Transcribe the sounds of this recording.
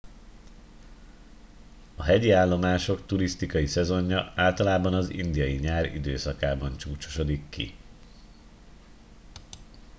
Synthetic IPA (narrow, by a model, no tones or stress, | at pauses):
ɒɦɛɟiaːlːo̞maːʃo̞kt̪uɾist̪ikɒjisɛzo̞ɲːɒaːlt̪ɒlaːbɒnɒzḭnd̪ijɒjiɲaːɾḭd̪øːsɒkaːbɒnt͡ʃuːt͡ʃo̥ʃo̞d̪ikːḭ